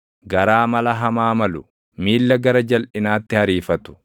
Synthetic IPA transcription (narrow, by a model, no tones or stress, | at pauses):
ɡɐɾaːmɐlɐɦɐmaːmɐlʊ | miːlːɐɡɐɾɐd͡ʒɐlʔɪnaːt̪ːɪhɐɾiːfɐt̪ʊ̥